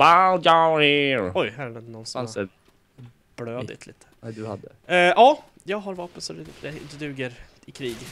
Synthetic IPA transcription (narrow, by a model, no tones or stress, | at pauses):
maljaɪɾɔjhæːɾnɛd̪nɔnːsasɛ | b̥løːd̪ɪ̰t̪ʰliːt̪ʰə̥d̪ʉha̰d̪ːəʔɑː | jɑːɡɦaɾvɑːpənsɔd̪ɛd̪ɛd̪ɛd̪ʉ̟ːɡəɾ | ɪkʰɾiːɡ